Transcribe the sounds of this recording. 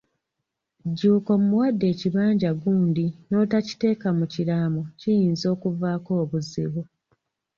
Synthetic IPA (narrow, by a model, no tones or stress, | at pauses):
ɟuːko̞mumuwadːe̞ːciβaːɲɟaɡuːndino̞ːtaci̥te̞ːkamucilamocijiːnzo̞ːkuvaːko̞ːβuzḭβu